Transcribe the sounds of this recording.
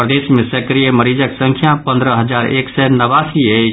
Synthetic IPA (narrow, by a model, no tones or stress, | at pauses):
pɾəd̪esmẽsəkɾijəməɾid͡ʒəksə̃ŋkʰjapə̃nd̪ɾəɦəd͡ʒaɾḛksɛnəʋasiə